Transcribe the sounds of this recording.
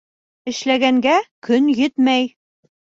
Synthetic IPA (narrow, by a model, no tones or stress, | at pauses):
ɘ̆ʃlæɡæŋɡækɵnjɘt̪mæj